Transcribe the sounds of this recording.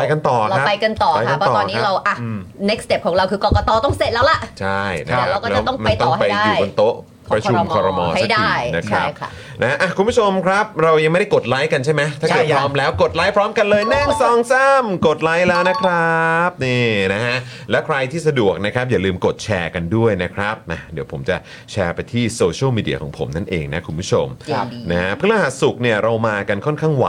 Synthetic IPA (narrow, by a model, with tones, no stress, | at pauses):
pa˧jka˧nt̪ɔː˨˩kɾa˧a˦˥a˧jka˧nt̪ɔː˨˩ka˧jʰaka˥pnʰɔ˦t̪ɔːɔː˧˩kniː˦a˦˥ɾa˧wʔa˨˩˧ne˦˥k̚st̪e˦˥˩kʰɔː˩˦ŋɾa˧wkʰɯː˧kɔː˧kɔ˧t̪ɔː˧t̪ɔ˥˩ŋse˨˩t̪̚lɛː˦˥wla˨˩ʔt͡ɕʰa˥˩jna̰˦˧˦aa˧wkɔ˥˩lt͡ɕa˨˥t̪ɔ˥˩ŋmpa˧jt̪ɔː˥˨˩haa˧jda˥˩iː˩˧o˧nt̪o˦˥ʔ | pɾa˧t͡ɕːʰu˧mkʰɔ˧ɾɔ˧mɔ̰ː˧asa˦˩kdaiː˥˧˥jna˦˥kʰɾa̰˦˥p | na˦˥ka˦˥ʔa˨˩kʰu˧nmbʰu˥˩t͡ɕʰo˧mkʰɾa˦˥p̚ɾa˧wja˧ŋma˥˩jda˥˩ko˨˩t̪̚la˦˥jka˧nt͡ɕʰa˥˩jma˦jt̪ʰaː˥˩kɤː˨˩ɾɔː˦˥mlɛː˦˥wko˨˩t̪̚laː˦˥jpʰɾɔː˦˥mka˧nlɤː˧jna˥˩ŋsɔː˨˩ŋsa˥˩mko˨˩t̪̚laː˦˥jlɛː˦˥wna˦˥kʰɾa˦˥p̚neː˧˩na˦˥ha˦˥ʔ | lɛː˦˥wkʰɾa˧jt̪ʰiː˥˩s̬a˧du˨˩ək̚na˦˥kʰɾa˦˥p̚jaː˨˩lɯː˧mko˨˩t̪̚t͡ɕʰɛː˧ka˧ndu˥˩əjna˦˥kʰɾa˦˥p̚ʔa˨˩di˨˦wpʰo˩˦mt͡ɕa˨˩ | t͡ɕʰɛː˧pa˧jt̪ʰiː˥˩soː˧t͡ɕʰːmiː˧dḭ˧ɐkʰɔ̰ː˩˦ŋpʰo̰˩˦mna˦˥˩nʔeː˧ŋna˦˥kʰu˧npʰu˦˥t͡ɕʰo˧mna˦˥ha˦˥pʰɯ˥˩laː˧ɦa˨˩t̪̚su˨˩k̚ni˥˩ɐɾa˧wmaː˧ka˧nkʰɔ˥˩nkʰaː˥˩ŋwa̰˨˦